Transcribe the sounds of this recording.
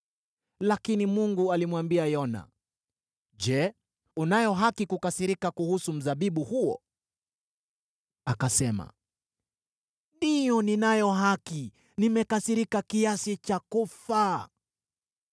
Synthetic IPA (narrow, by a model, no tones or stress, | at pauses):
lakinimuŋɡualimwambiajɔna̰ | ʄɛ | unajɔɦakikukasiɾikakuhusum̩zaɓiɓuhuɔ̰ | akasɛma̰ | dijɔninajɔɦaki | nimɛkasiɾikakiasit͡ʃakufa